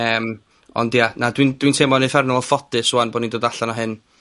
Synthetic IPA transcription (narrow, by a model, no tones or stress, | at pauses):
əːm | ɔ̰ndjanadwind̥wintʰeːmɔnifɛrnɔɔfɔdɨsuanboːdnindoːdaɬanɔɦɨn